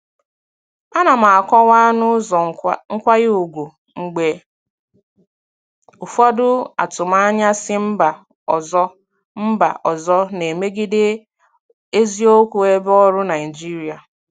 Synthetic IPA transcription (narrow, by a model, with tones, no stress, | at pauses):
a˦na˨m̩a˨a˨kɔ˦wa˦nʊ˦˨ŋ̩˦kʷa˦ɣɪ˦u˨ɡʷu˨ | ŋ͡m̩˨ɡ͡be˨ | u˨fɔ˦dʊ˦a̰˨tʊ˨ma˦ɲa˦sɪ˦m̩˦ba˨ | zɔ˦ | m̩˦ba̰˨ʔɔ˨zɔ˦ne˨me˦ɡɪ˦dɪ˦ | e˦zi˦o˦kʷu˨e˦bɔ˦ɾʊ˦na˨ɪ˨d͡ʒi˦ɾi˨a˨